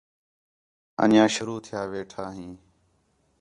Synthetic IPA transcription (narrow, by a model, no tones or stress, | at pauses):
ə̰njãːʃʊɾuːt̪ʰɪjaːʋeːʈʰaːɦĩː